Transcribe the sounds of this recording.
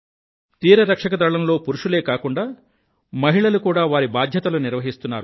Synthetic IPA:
t̪iːɾɐɾɐkʂɐkɐd̪ɐɭɐmlo̞ːpuɾuʂule̞ːkaːkuɳɖaː | mɐɦiɭɐlukuːɽaːʋaːɾibaːd̪ʱjɐt̪ɐluniɾʋɐɦist̪unːaːɾu

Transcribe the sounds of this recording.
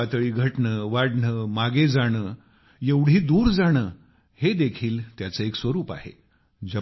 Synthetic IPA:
at̪əɭiːɡʱəʈɳəʋaɽɳəːmaɡed͡zaɽ̃əː | jeʋɽ̤iːd̪uːɾd͡zaɽ̃əː | hed̪ekʰiːlt̪jat͡səːeksʋəɾuːpa̰ɦḛ | d͡ʑə

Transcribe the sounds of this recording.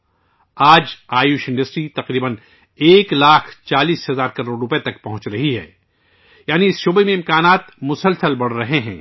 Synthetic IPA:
aːd͡ʒaːjuːʃɪ̃ɳɖɐsʈɾit̪ɐqɾiːbən | eːklaːkʰt͡ʃaːliːsɦɐzaːɾkɐɾoːɽɾʊpet̪ɐkpɐɦʊ̃t͡ʃɾɐɦiɦɛ̰ː | jaːniɪsʃoːbemẽɪ̃mkaːnaːt̪mʊsəlsəlbɐɽ̤ɾɐɦeɦɛ̰̃ː

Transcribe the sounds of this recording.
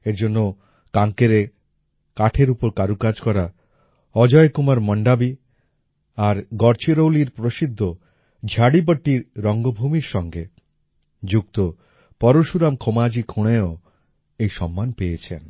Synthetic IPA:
eɾd͡ʑonːo | kaŋkeɾe | kaʈʰeɾupoɾkaɾukad͡ʑkɔɾa | ɔd͡ʑɔekumaɾmɔɳɖabi | aɾɡɔɾt͡ɕʰiɾowliɾpɾoʃid̪ʱːo | d͡ʑʱaɽip̬əʈːiɾːɔŋɡobʱumiɾʃɔŋɡe | d͡ʑuk̚t̪o | pɔɾoʃuɾamkʰomad͡ʑikʰuɽ̃eo | ejʃɔmːanpejet͡ɕʰḛn

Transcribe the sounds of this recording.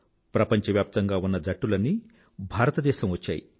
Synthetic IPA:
pɾɐpɐɲt͡ʃɐʋjaːp̚t̪ɐŋɡaːunːɐd͡ʒʱɐʈːulɐnːi | bʱaːɾɐt̪ɐd̪ɛːʃɐmʋɐt͡ʃːa̰ːjḭ

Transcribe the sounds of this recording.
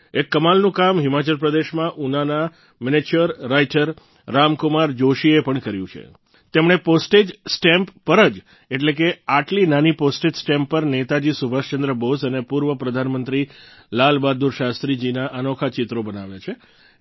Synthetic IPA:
ekːəmalnũkamɦɪmat͡ʃəlp̬ɾəd̪eʃmãʔunana | mɪnet͡ʃəɾːaiʈəɾː | amkʊmaɾd͡ʒoʃiepəɳkəɾjṵ̃t͡ʃʰḛ | t̪emɽ̃eposʈed͡ʒsʈempːəɾəd͡ʒ | eʈlek̬eaʈlinaniposʈed͡ʒsʈɛmpːəɾnet̪ad͡ʒisubʱaʃt͡ʃənd̪ɾəbosənepuɾʋəpɾəd̪ʱanmənt̪ɾilalbad̪uɾʃast̪ɾid͡ʒinaʔənokʰat͡ʃɪt̪ɾobənaʋjat͡ʃʰe

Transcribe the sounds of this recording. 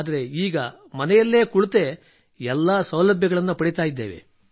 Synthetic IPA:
d̪ɐɾe̞iːɡɐ | mɐnɛjɐlːe̞ːkuɭt̪e̞ | ɛlːaːsɐwlɐbʱjɐɡɐɭɐnːupɐɽit̪aːjid̪ːeːʋe̞̰

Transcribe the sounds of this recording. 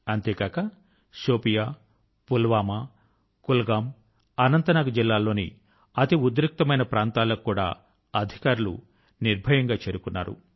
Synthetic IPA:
ɐnt̪eːɡaːkɐ | ʃoːpijaː | pulʋaːmɐ | kulɡaːm | ɐnɐnt̪ɐnaːɡɐd͡ʒilːaːlːo̞ːnḭ | ɐt̪iud̪ɾik̚t̪ɐmɐjnɐpɾaːnt̪aːlːokːuːɽa̰ː | ɐd̪ʱikaːɾulṵ | niɾbʱɐjɐŋɡaːt͡ʃeːɾukunːa̰ːɾṵ

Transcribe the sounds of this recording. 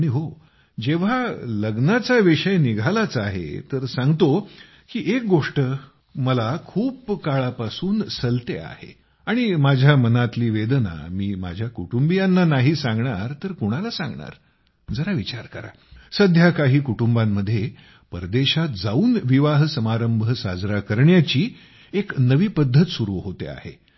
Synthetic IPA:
aɽ̃iɦo | d͡ʑeʋ̤aləɡnat͡saʋiʂəjniɡʱalat͡saɦḛt̪əɾsãŋɡt̪o | kiːʔek̚ɡoʂʈə | məlakʰuːpkaɭapasuːnsəlt̪ea̰hḛ | aɽ̃imad͡ʑʱjamənat̪liːʋed̪na̰miːma̰d͡ʑʱjakuʈumbijanːanaɦiːsãŋɡɳaɾt̪əɾkoɽ̃alasã̰ŋɡɳa̰ɾ | d͡zəɾaʋit͡ɕaɾkəɾa̰ | səd̪ʱjakaɦiːkuʈumbamːəd̪ʱːje | pəɾd̪eɕat̪d͡zauːnʋiʋaɦsəmaɾəmbʱəsad͡zɾakəɾɳjat͡ɕiː | eknəʋiːpəd̪ʱːət̪suɾuʋɦot̪ḛa̰hḛ

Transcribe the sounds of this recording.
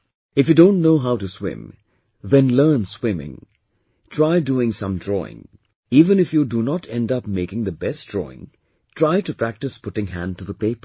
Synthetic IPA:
ɨfjɨdõʊ̃ntnoʊɦaʊtɨswɪ̰̃m | ðɛ̃nlɜ˞nswɪ̃mɪ̰̃ŋ | tʰɹaɪduɪ̃ŋsʌ̰̃mdɹɔ̰ɪ̰̃ŋ | iːvə̃nɨfjudunətʰɛ̃ndʌp̚meɪkɪ̃ŋðəbɛst̚d̥ɹɔ̰ɪ̰̃ŋ | tʰɹaɪtɨpɹæk̚tɨspʊʈɪ̃ŋɦæ̃nd̚tuðəpeɪpə̥

